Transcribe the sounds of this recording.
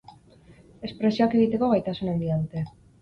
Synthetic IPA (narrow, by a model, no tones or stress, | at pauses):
e̞spɾe̞sio̞ake̞ɣit̪e̞ko̞ɣajt̪asunend̪iaðut̪e̞